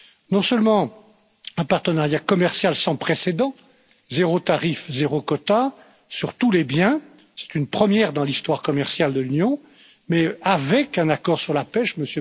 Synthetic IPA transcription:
nɔ̃səlmɑ̃ | ɛ̃paʁt̪ənaʁjakɔmɛʁsjalsɑ̃pχesed̪ɑ̃ | zeʁot̪aʁifzeʁokɔt̪a | syʁt̪ulebjɛ̃ | sɛ̥t̪ynpχəmjɛʁd̪ɑ̃list̪waʁkɔmɛʁsjald̪əlynjɔ̃ | mɛavɛkɛ̃nakɔʁsyʁlapɛʃməsjø

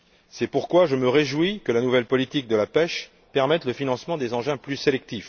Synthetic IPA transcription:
sɛpuʁkwaʒəməʁeʒwikəlanuvɛlpɔlit̪ik̚d̪əlapɛʃ | pɛʁmɛt̪ləfinɑ̃smɑ̃d̪ezɑ̃ʒɛ̃plyselɛk̚t̪if

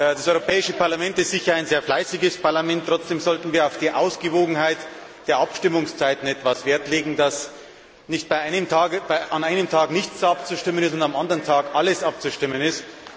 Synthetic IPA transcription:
d̥asɔʏʁopʰɛːɪʃəpʰaɐlamɛntɪstz̥ɪçɐaɪnzeːɐflaɪsɪɡəspʰaɐlamɛntːʁ̥ɔt͡sd̥eːmzɔltn̩viːɐaʊfd̥iːʔa̰ʊsɡ̥əvoːɡŋ̩haɪt | d̥eːɐʔapʃtɪmʊŋst͡saɪtn̩ɛtv̥asv̥eːɐtleːɡŋ̩das | nɪçt̚b̥aɪʔaɪnəmtʰaːɡb̥aɪʔanaɪnəmtʰaːknɪçt͡sap̚t͡suʃtɪmənɪstʊndamʔandəʁəntʰaːɡʔaləsʔap̚t͡suʃtɪmə̃nɪst

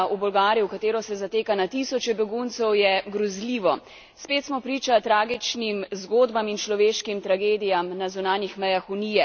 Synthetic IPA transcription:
ʔubɔlɡaːɾjuwkat̪eːɾɔsɛzat̪eːkanat̪isɔt͡ʃɛbɛɡunt̪sɛwjɛɡɾɔzliʋɔ | speːt̪smɔpɾiːt͡ʃat̪ɾaːɡit͡ʃnimzɡoːd̪bamint͡ʃlɔʋeːʃkimt̪ɾaɡeːd̪ijamnazunaːnjixmɛjaxuniːjɛ

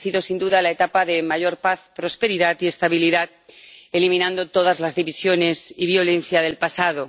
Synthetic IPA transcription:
siðo̞sind̪uðalaet̪apaðe̞maʝo̞ɾpaθpɾo̞spe̞ɾiðat̪ie̞st̪aβiliðat̪̚e̞limĩnãnd̪o̞t̪o̞ðazlazðiβisjo̞ne̞siβ̞jo̞lẽ̞nθjaðe̞lpasaðo̞

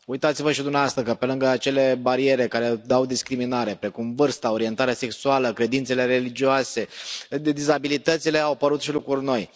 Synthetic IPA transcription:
ujt̪at̪sivəʃid̪umaast̪əkəpe̞lɨŋɡəat͡ʃe̞le̞baɾie̞ɾe̞kaɾe̞d̪awd̪iskɾiminaɾe̞pɾe̞kumvɨrst̪ao̞ɾie̞nt̪aɾease̞ksualəkɾe̞d̪int̪se̞le̞ɾe̞lid͡ʒioase̞d̪izabilit̪ət̪sile̞awpəɾut̪ʃilukɾurʲno̞j

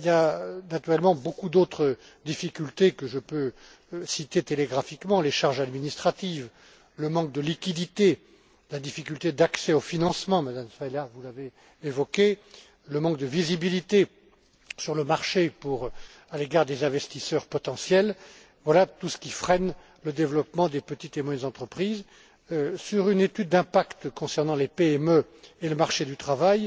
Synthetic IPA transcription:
iljanat̪yʁɛlmɑ̃bokud̪ot̪χə | d̪ifikʲylt̪ekəʒəpø | sit̪et̪eleɡʁafikmɑ̃leʃaʁʒad̪minist̪χat̪iv | ləmɑ̃k̚d̪əlikʲid̪it̪e | lad̪ifikʲylt̪ed̪aksɛofinɑ̃smɑ̃mad̪amsfajlavulaveː | vɔkʲe | ləmɑ̃k̚d̪əvizibilit̪e | syʁləmaʁʃepuʁ | aleɡaʁd̪ezɛ̃vɛst̪isœʁpɔt̪ɑ̃sjɛl | vwalat̪usə̥kʲifχɛn | ləd̪evlɔpmɑ̃d̪epət̪it̪emwjɛnzɑ̃t̪χəpχiz | syʁynet̪yd̪ːɛ̃pakt̪kɔ̃sɛʁnɑ̃lepeɛmø | eləmaʁʃed̪yt̪χavaj

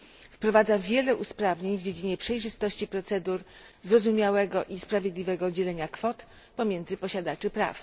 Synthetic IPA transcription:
fpɾɔvad̪zavʲjɛlɛʔuspɾavɲeɲvd͡ʑed͡ʑiɲɛpʂɛjʐɘst̪ɔɕt͡ɕipɾɔt̪sɛd̪uɾ | zɾɔzumʲjawɛɡɔʔispɾavʲjed̪lʲivɛɡɔd͡ʑɛlɛɲakfɔt̪ | pɔmʲjɛnd̪zɘpɔɕad̪at͡ʂɘpɾa̰f

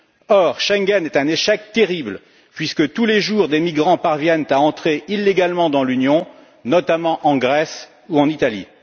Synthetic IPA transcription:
ɔʁʃɛ̃ŋɡɛnɛt̪ɛ̃neʃɛk̚t̪eʁibl | pɥiskət̪uleʒuʁd̪emiɡʁɑ̃paʁvjɛnt̪aɑ̃t̪χeʔilːeɡalmɑ̃d̪ɑ̃lynjɔ̃ | nɔt̪amɑ̃ʔɑ̃ɡʁɛs | uɑ̃nit̪alḭ

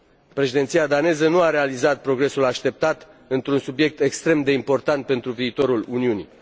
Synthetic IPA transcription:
pɾe̞ʃid̪e̞nt̪sijad̪ane̞zənuaɾe̞alizat̪̚pɾo̞ɡɾe̞sulaʃt̪e̞p̚t̪at̪ɨnt̪ɾunsubje̞k̚t̪e̞kst̪ɾe̞md̪e̞impo̞rt̪ant̪̚pe̞nt̪ɾuviːt̪o̞ɾuluniunḭ

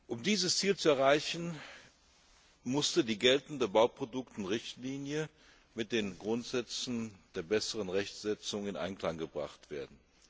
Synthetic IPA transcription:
ʔʊmdiːzəst͡siːlt͡suɛɐʁ̞aɪçn̩ | mʊstədiːɡɛltn̩dəbaʊpʁ̥odʊktɪnʁɪçtliːnjə | mɪt̚d̥eːnɡʁʊntz̥ɛt͡sn̩d̥eːɐbɛsəʁənʁɛçt͡sz̥ɛt͡sʊŋɪnʔa̰ɪnkl̥aŋɡəbʁa̰χtv̥ḛːɐdn̩

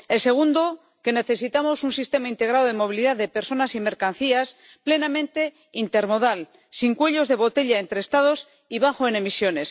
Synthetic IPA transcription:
else̞ɣ̞und̪o | ke̞ne̞θesit̪amo̞sunsist̪e̞maint̪e̞ɣ̞ɾaðoð̞emo̞β̞iliðaððe̞pe̞ɾso̞nasime̞ɾkan̟θias | ple̞namẽ̞nt̪e̞ | int̪e̞ɾmo̞ðal | siŋkwe̞ʎo̞zðe̞βo̞t̪e̞ʎae̞nt̪ɾest̪að̞o̞s | iβ̞axoene̞misjo̞ne̞s

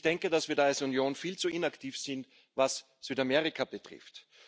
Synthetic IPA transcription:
d̥ɛŋkədasv̥iːɐdaalsunjoːnfiːlt͡suʔɪnaktʰiːfsɪnt | vas | syːtamɛʁɪkʰab̥ətʁ̥ɪ̰ft

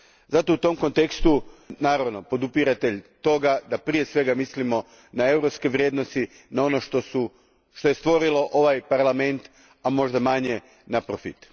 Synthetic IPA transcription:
zat̪o̞ut̪o̞mko̞nt̪e̞kst̪unaːɾaʋno̞po̞d̪upiɾat̪e̞ʎt̪o̞ɡad̪apɾije̞sʋe̞ɡamislimo̞ | nae̞wɾo̞pskeʋɾjeːd̪nost̪i | nao̞no̞ʃt̪osu | ʃt̪o̞jest̪ʋo̞ɾilo̞ʔo̞ʋajpaɾlame̞nt̪ | amo̞ʒd̪amaɲe̞ | napɾofḭt̪

